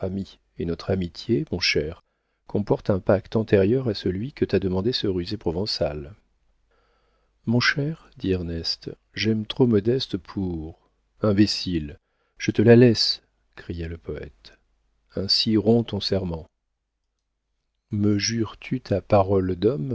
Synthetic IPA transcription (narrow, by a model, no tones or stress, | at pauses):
ami | enɔt̪χamit̪jemɔ̃ʃɛʁ | kʰɔ̃pɔʁt̪ɛ̃pakt̪ɑ̃t̪eʁjœʁasəlɥikət̪ad̪əmɑ̃d̪esəʁyzepχɔvɑ̃sa̰l | mɔ̃ʃɛʁd̪iɛʁnɛst̪ | ʒɛmt̪χomɔd̪ɛst̪pʰuʁ | ɛ̃besil | ʒ̥ət̪əlalɛs | kχijaləpɔɛ̰t̪ | ɛ̃siʁɔ̃t̪ɔ̃sɛʁmɑ̃ | məʒyʁt̪ʰyt̪ʰapaʁɔld̪ɔm